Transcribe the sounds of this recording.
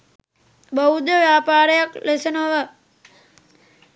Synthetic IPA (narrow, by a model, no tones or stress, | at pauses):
bəud̪əʋjaːpaːɾəjaklesənəʋə